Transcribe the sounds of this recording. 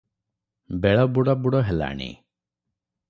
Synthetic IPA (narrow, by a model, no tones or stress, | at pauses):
beɭɔbuɽɔbuɽɔɦela̰ɽ̃ḭ